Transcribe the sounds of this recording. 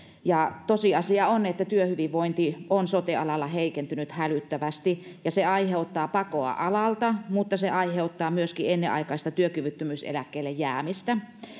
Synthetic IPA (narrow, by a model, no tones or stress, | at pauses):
jɑt̪osiɑsiɑonet̪ːæt̪yøhyʋiʋʋoint̪ionsot̪eɑlɑlːɑheikent̪ynyt̪hælyt̪ːæʋæst̪ijɑseɑiheut̪ːɑːpɑkoɑ̰ʔɑlɑlt̪ɑmut̪ːɑseʔɑiheut̪ːɑːmyøskienːeʔɑ̰ikɑist̪ɑt̪yøkyʋyt̪ːømyˑsḛlækːeːlːejjæːmist̪æ